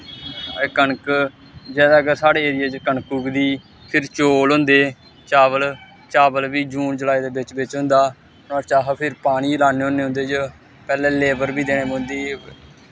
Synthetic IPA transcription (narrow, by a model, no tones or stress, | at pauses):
kəɳk | d͡ʒɛːd̪aːkesaːɽeːeːɾɪjaːd͡ʒkəɳkuːkd̪iː | pʰɪɾt͡ʃoːlɦʊ̃nd̪eː | t͡ʃaːʋəl | t͡ʃaːbəlʋiːd͡ʒuːnd͡ʒəlaːiːd̪eːbɪt͡ʃʋɪt͡ʃɦʊ̃nd̪aː | ãːt͡ʃaːɦpʰɪɾpaːɽ̃iːlaːneːɦõneːɦʊ̃nd̪eːd͡ʒ | pɛːlɛ̃ːleːbəɾbiːd̪eːɽ̃ẽːmõːnd̪eː